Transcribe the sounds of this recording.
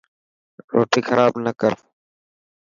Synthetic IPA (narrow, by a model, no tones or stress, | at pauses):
ɾoːʈiːxʰəɾaːbnəkəɾ